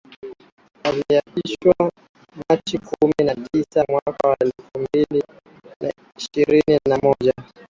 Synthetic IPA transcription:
waliaɓiʃwa | mat͡ʃikuminatisamwakawaɛlfumbili | na̰ | iʃiɾininamɔʄa

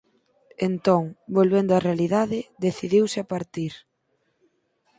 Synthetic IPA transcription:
ent̪ɔŋbolβend̪ʊarealiðaðɪðeθiðiwsɪapaɾt̪iɾ

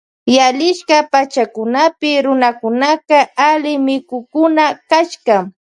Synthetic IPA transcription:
jaʎɪʃkapat͡ʃakʊnapɪɾʊnakʊnakaalɪmɪkʊkʊnakaʃkam

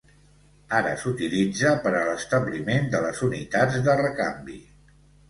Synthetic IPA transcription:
aɾə̰sut̪ilid͡zəpəɾələst̪əblimend̪ələzunit̪ad͡zd̪ərəkambi

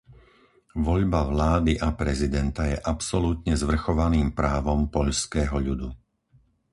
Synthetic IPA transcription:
ʋɔʎbaʋlaːd̪iʔapɾɛzid̪ɛnt̪ajɛʔapsɔluːt̪ɲɛzʋr̩xɔʋaniːmpɾaːʋɔmpɔʎskɛːɦɔʎud̪u

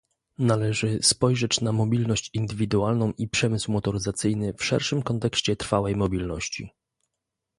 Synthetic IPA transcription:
nalɛʐɘspɔjʐɛt͡ɕnamɔbʲilnɔɕt͡ɕind̪ɘvʲid̪ualnɔ̃w̃ʔipʂɛmɘswmɔt̪ɔɾɘzat̪sɘjnɘfʂɛ̰ɾʂɘmkɔnt̪ɛkɕt͡ɕɛt̪ɾfawɛjmɔbʲilnɔɕt͡ɕḭ

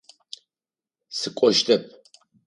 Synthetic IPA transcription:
sɨkʷʼɔʒtʰɐp̚ʰ

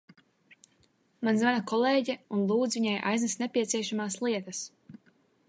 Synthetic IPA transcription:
manzmanakɔleːɟɛunlˠuːd̪zviɲajʔa̰jznasnepʲiɛt̪sʲiɛʃamaːslˠiɛt̪as

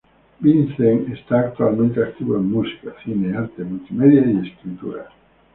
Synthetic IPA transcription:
binθeŋest̪aːk̚t̪ualmẽnt̪eak̚t̪iβoemːusi̥kaθineaɾt̪emult̪imeðjaieskɾit̪uɾa̰

